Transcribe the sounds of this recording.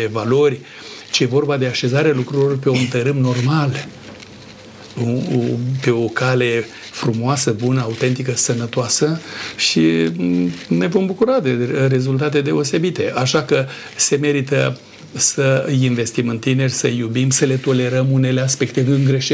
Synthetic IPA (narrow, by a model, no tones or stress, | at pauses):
evalo̞rʲ | t͡ʃeje̞vo̞rbad̪e̞aʃe̞zaɾealukɾulo̞rpe̞ont̪əɾɨmno̞rmal | upe̞o̞kale̞ | fɾumoasəbunəaut̪e̞nt̪ikəsənət̪oasəʃi | ne̞vo̞mbukuɾad̪e̞ɾe̞zult̪at̪̬e̞d̪e̞o̞se̞bit̪e̞ʔaʃakə | se̞me̞ɾit̪ə | səinve̞st̪imɨnt̪ine̞rʲsəjubimsəle̞t̪o̞le̞ɾəmune̞le̞aspe̞kt̪e̞ɨŋɡɾe̞ʃe